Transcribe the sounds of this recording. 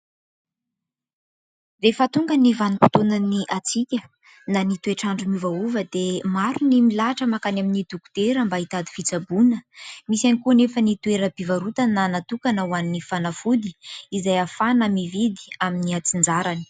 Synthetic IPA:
refət̪uŋɡənivanipu̥t̪onaniʔat͡sikʲə | nanit̪ueʈ͡ʂaɳɖ͡ʐumivauvəd̪emaɾunimilaʈ͡ʂəmakanaminid̪uku̥t̪eɾəmbait̪ad̪i̥fit͡sabunəmisanikunefənit̪ueɾəbivaɾut̪ananat̪ukanəwannːifanafud̪i̥izajafanamivid̪i̥aminiat͡sind͡zaɾani̥

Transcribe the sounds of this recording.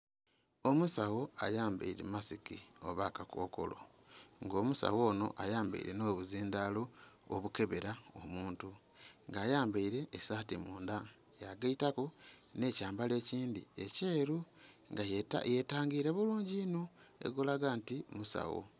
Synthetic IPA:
o̞musawo̞a̰jaːmba̰iɾḛmasikio̞̰βakako̞̰ːko̞̰lo̞ | ŋɡo̞ːmusa̰wo̞ːno̞̰ʔajaːmba̰ḭɾe̞no̞ːβuziːndaloo̰βuke̞βe̞ɾao̰muːntu | ŋɡaːjaːmbaiɾe̞ːsaːtimuːnda | jaɡaitakune̞caːmbale̞ːciːndḭece̞ːɾuŋɡaa̰jetaːŋɡiɾeβuluːɲɟinoe̞̰ɡolaɡaːntimusa̰wo̰

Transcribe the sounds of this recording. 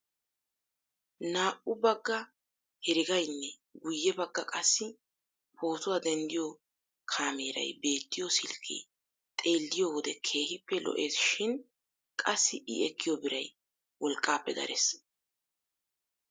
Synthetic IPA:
naːʔʊbɐɡːɐ | hɛɾɪɡɐjnːɛ | ɡʊjːɛbɐɡːɐkʼɐsːɪ | pʰo̞ːt̪ʊwaːd̪ɛnd̪ɪjɔ | kʰaːmeːɾɐ̰jbe̞ːt̪ːɪjɔsɪlkʰḭ | t̪ʼe̞ːlːɪjowɔd̪ɛkʰe̞ːhɪpːɛlɔ̰ʔe̞ːsʃɪn | kʼɐsːɪʔɪɛkːɪjɔbɪɾɐj | wɔlkʼːaːpːɛd̪ɐ̰ɾɛ̰s

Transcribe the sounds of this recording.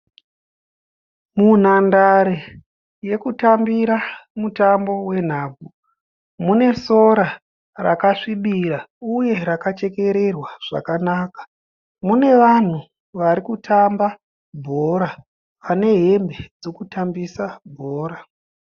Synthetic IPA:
mun̤andaɾe | je̞kutambiɾamutambo̞we̞n̤aːb͡vu | mune̞so̞ɾa | ra̰kaʂiɓiɾauje̞ɾakat͡ʃe̞ke̞ɾe̞rwaʐ̥a̰kanaːkḁ | mune̞ʋan̤u | ʋaɾikutʰamba | bʱo̞ɾa | ʋane̞ɦe̞mbe̞d͡zokutambisabʱoːɾa

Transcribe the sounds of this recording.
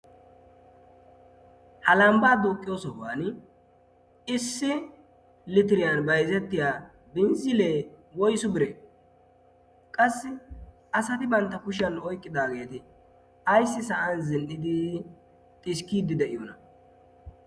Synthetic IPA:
hɐlambaːd̪ukʼːɪjoːsɔbaːn | ɪsːɪ | lɪt̪ɪɾɪjɐnbɐjzɛt̪ːɪjaː | bɪnzɪleːwɔjsʊbɪɾe | kʼɐsːɪ | ɐsɐt̪ɪbɐnt̪ːɐkʊʃɪjɐnɔjkʼːɪd̪aːɡe̞ːt̪ɪ | ɐjsːɪsɐʔɐnzɪnʔɪd̪ɪ | t̪ʼɪʃkiːd̪ɪd̪ɛʔɪjonɐ

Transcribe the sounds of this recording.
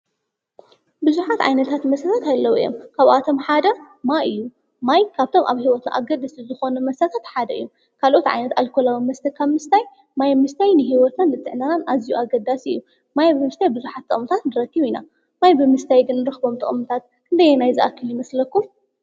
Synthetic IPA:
bɨzuħat̪ʕa̰jnɐt̪ʰat̪mɐsat̪ʰat̪alːɐwɨ̰jo̰mkʰaβʔat̪ʰo̞mħad̪ɐ | maɨjːu | majkʰaβt̪ʰo̞mʔa̰βhiwɔt̪na̰ʔa̰ɡɐd̪ɨsizɨxo̞numɐsat̪ʰat̪ħad̪ɐʔɨ̰jːum | kʰalʔo̞t̪ʕa̰jnɐt̪alkʰolawimɐst̪ʰɐkʰːaβmɨst̪ʰaj | majmɨst̪ʰajnɨɦiwɔt̪nanɨt̪ʼːɨʕnananazijuaɡɐd̪ːasiɨ̰jːu | majbɨmɨst̪ʰajbɨzuħat̪ʰːɨ̰χʼmut̪ʰat̪nɨɾɐkːiβina̰ | majbɨmɨst̪ʰajɡɨnːɨɾɨxbo̞mt̪ʰɐχʼmut̪ʰat̪̚kʰɨnd̪ɐjːenajzɨʔakʰːɨljɪmɐslɐkːum

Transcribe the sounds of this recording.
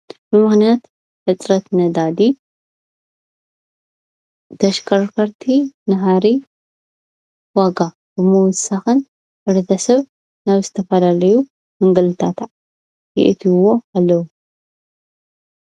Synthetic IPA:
bɨmɨxnijat̪ | hɨt͡s̪ʼɾɐt̪nɐd̪ad̪i | t̪ʰɐʃkʰɐɾkʰɐɾt̪ʰinɐɦaɾi | waɡa | b̥ɨmɨwɔsaxɨn | hɨɾɐt̪ʰɐsɐβ | naβzɨt̪ʰɐfɐlalɐju | mɨŋɡɐlɨt̪ʰat̪ʰaʕ | jɪ̰ʔɨt̪ʰiwoalːɐwu

